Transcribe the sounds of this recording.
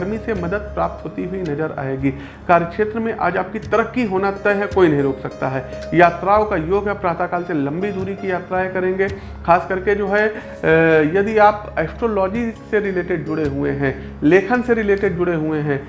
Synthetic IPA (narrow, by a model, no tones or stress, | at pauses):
ɐɾmisemɐd̪əd̪̚pɾaːp̚t̪ɦoːt̪iɦʊinɐd͡ʒəɾa̰ːeːɡiː | kaːɾjəkʃeːt̪ɾəmẽʔa̰ːd͡ʒaːp̚kit̪ɐɾəkːiɦoːnat̪ɛɦɛkoːinɐɦĩɾoːksɐk̚t̪aɦɛː | jaːt̪ɾaːokajoːɡɦɛpɾaːt̪akaːlselɐ̃mbid̪uːɾikijaːt̪ɾaːekɐɾẽːŋɡe | xaːskɐɾked͡ʒoːɦɛ | jɐd̪iaːpeːpʰʈolɔːd͡ʒiseɾɪleːʈeɖ̚d͡ʒʊɽeɦueɦɛ̃ | leːkʰənseɾɪleːʈeɖ̚d͡ʒʊɽeɦueɦɛ̃ː